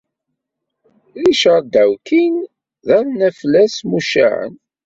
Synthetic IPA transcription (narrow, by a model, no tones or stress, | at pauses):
ðiʃəɾd̪æwkin | ðæɾnæflːæsmuʃæ̰ʕə̰n